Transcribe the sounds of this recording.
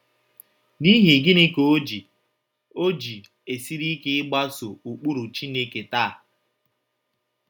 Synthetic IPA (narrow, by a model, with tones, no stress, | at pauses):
ni˦ɦi˨ɡɪ˦nɪ˦ko˨o˦d͡ʒi˨ | o˦d͡ʒi˨ | e˨si˦ɾi˦kɪ˦ɪ˦ɡ͡ba˦so˨u˨k͡pu˦ɾu˨t͡ʃi˦ne˦ke˨taː˦˨